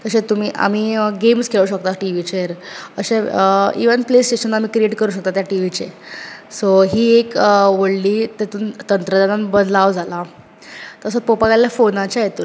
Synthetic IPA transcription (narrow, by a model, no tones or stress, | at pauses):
t̪əɕẽt̪um̤iːʔa̰m̤iːɡemskʰeɭuːɕək̚t̪aʈiʋit͡ɕeɾə̰ɕeəḭʋənplesʈeɕənːam̤iːkɾieʈkəɾuːɕ̬ək̚t̪at̪jaʈiʋit͡sesoɦiːekʋəɽliːt̪et̪uːnt̪ənt̪ɾəd̪ananbəd̪laʋd͡zʱala | t̪əsəpopaɡaljafonat͡ɕajet̪uɾ